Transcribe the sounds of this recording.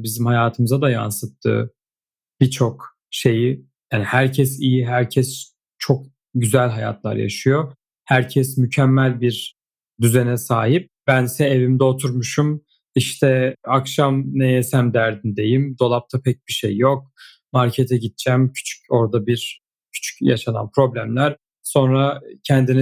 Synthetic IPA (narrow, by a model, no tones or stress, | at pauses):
bizimhajaːt̪ʰɯmɯzad̪aja̰nsɯt̪ʰːɯ̰ | b̥it͡ʃʰo̞k | ʃe̞ji | jaːnihæɾcʰɛsijiɦæɾcʰɛs | t͡ʃʰo̞k̚ | ɟyzælʲɦaja̰t̪ʰlˠa̰ɾja̰ʃɯjo̞ | hæɾcʰɛsmycʰɛmːælʲbiɾ | d̪yzɛnɛsaːɦip̚b̥ænsɛevimd̪ɛot̪ʰuɾmuʃum | iʃt̪ʰɛakʃamnɛjesæmd̪æɾd̪ind̪e̞jimd̪o̞lˠap̚t̪ʰapʰɛc̚biʃḛjːo̞k̚ | maɾcʰet̪ʰɛɟit̪̚t͡ʃʰæmcʰy̥t͡ʃʰy̥co̞ɾd̪abiɾ | cʰy̥t͡ʃʰy̥cja̰ʃana̰npʰɾo̞blʲæmlʲæɾ̥ | so̞nɾacʰɛnd̪inɛ